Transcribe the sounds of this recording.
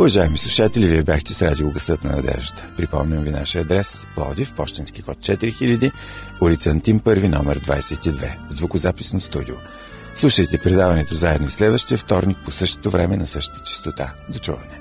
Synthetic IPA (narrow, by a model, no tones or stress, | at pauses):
ʊvɐʒaɛmislˠuʃat̪ɛlʲiviɛbʲjaxt̪ɛsɾad̪ilˠɡəsɤt̪nɐ̰nɐ̰d̪ɛ̰ʒd̪ət̪ə̥pɾipɔ̰mnʲəmvina̰ʃiəɐd̪ɾɛsplˠɔ̰d̪ifpɔʃt̪insk̟ixɔt̪̚t͡ʃɛt̪iɾixilʲəd̪i | ʊɾit̪sɐnt̪ʲimpɤɾvinɔmɛɾd̪va̰jsɛt̪id̪vɛ̰zvʊkʊzapisnost̪ud̪io | slˠuʃəjt̪ɛpɾɛd̪avɐnɛt̪ozaɛd̪noislɛd̪vəʃt̪iəft̪ɔɾnik̚posɤʃt̪o̥t̪ovɾɛmɛnɐsɤʃt̪ə̥t̪ə̥t͡ʃɛ̥st̪ot̪ad̪ot͡ʃuvɐnɛ